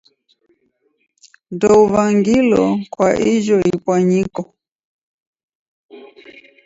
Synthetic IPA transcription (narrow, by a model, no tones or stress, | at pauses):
dɔuvaŋɡilɔkwaʔiʒɔipwaɲikɔ